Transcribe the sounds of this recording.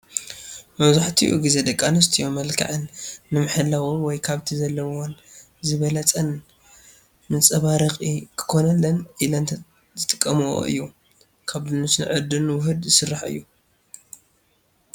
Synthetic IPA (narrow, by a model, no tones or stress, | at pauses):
mɐβzaħt̪ʰiʔṵɡize̞d̪ɐkʼːanɨs̬t̪ʰijomɐlkʰa̰ʕɨnːɨmɨħɨlːawonwɔjkʰaβt̪ʰizɐlːɐwwon | zɨβɐlɐt͡sʼɐn | mɨnt͡sʼɐβaɾɐxʼikʰɨ̥kʰo̞nɐlːɐnʔilɐn | zɨt̪ʼɨ̥kʼːɐmuwo̰ʔɨ̰jːu | kʰaβd̪ɨnɨsnɨ̰ʕɨd̪ɨnwʊɦɨd̪zɨsɨrːaħɨ̰jːu